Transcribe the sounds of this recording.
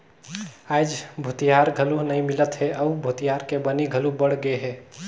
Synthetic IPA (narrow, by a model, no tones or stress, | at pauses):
ajd͡ʒbʱut̪ijaɾɡʱəluɦnəjmilət̪ɦeʔəubʱut̪ijaɾkebəniɡʱəlubəɽ̤ɡeɦɛ